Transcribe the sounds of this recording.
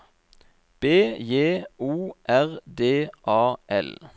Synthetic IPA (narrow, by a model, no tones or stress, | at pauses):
b̥eːjeːʔuːʔæʁd̪eːʔɑːʔɛl